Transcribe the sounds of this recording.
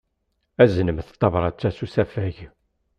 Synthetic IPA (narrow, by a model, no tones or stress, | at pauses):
æzənəmθt̪ˤːɑvɾˤɑt͡sːæsusæfæʝ